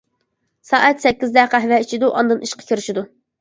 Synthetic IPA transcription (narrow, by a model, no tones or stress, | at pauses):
sɑːʔɛt̪sɛkʲːizd̪ɛqæɦvɛit͡ʃʰid̪uʔɑnd̪ɨniʃqɑ̥kʲʰiɾɪʃid̪u